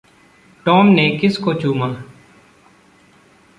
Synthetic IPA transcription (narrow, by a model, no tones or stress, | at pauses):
ʈɔːmneːkɪskoːt͡ʃuːmaː